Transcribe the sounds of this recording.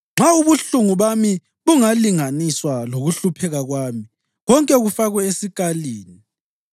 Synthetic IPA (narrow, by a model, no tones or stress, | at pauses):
ŋ͡ǁʱauβuɬuŋuβami | βuŋaliŋaniswaloɣuɬupʰɛɣaɣwaːmi | ɣɔŋkʼɛɣufaɣwɛesikʼaliːni